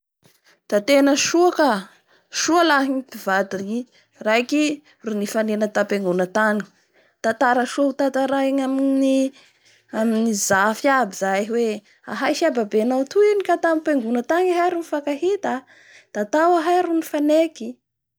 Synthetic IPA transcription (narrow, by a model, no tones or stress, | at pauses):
d̪̥at̪enəʃuaka | ʃualaɦiŋip̪ivad̪ii | rajki | runifanenət̪apeŋɡunət̪aŋi̥ | t̪at̪aɾəʃout̪at̪aɾaiŋamini | aminizafiabizaɦwe | a̰ɦajʃababenawt̪uinikat̪amipeŋɡunət̪aŋiɦajɾunifakaɦit̪a | d̪̥at̪awaɦajɾunifaneki